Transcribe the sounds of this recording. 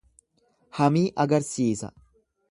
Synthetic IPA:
hɐmiːʔɐɡɐɾsiːsɐ̰

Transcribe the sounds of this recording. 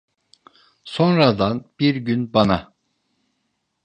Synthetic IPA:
so̞nɾad̪anb̥iɾɟynbana

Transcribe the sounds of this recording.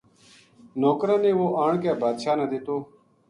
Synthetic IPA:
noːkɾãːnẽːʋoːʔaːɳk̬aːbaːd̪ʃaːnəd̪eːt̪oː

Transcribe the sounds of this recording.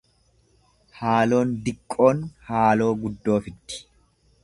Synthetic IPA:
haːlo̞ːnd̪ɪkʼːo̞ːnhaːlo̞ːɡʊd̪ːo̞ːfɪt̪ːɪ̥

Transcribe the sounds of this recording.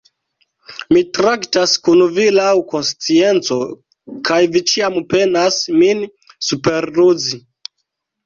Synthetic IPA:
mitɾaktaskunvilawko̞nst͡sie̞nt͡so̞ | kʰajvit͡ʃiampe̞nasmin | supe̞ɾluzi

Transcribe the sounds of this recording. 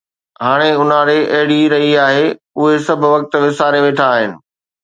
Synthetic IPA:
ɦaːɽ̃eʊnaɾeʔɐɦɪɽiɾɐɦiaːɦe | ʊɦesɐbʱʋɐk̚t̪ʋɪsaːɾeʋeːʈʰaːɦɪnɪ̆

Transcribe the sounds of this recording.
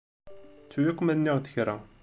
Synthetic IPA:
t͡sːujækʷːmænːiʁd̪ə̥çɾæ

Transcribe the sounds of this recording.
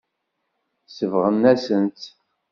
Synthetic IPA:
səvʁənːæsənt̪

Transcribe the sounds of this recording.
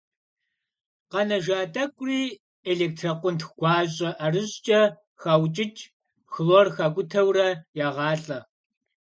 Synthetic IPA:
qɐnɐʒaːtʼɐkʷʼriː | eɮeːk̚tʰrɐqʷʊntxɡ̥ʷɑːɕʼɐʔɐrɨɕt͡ʃʼɐ | xaːwt͡ʃʼɪt͡ʃʰʼ | xloːrxaːɡʷʊtʰɐwrɐjaːʁɑːɬʼɐ

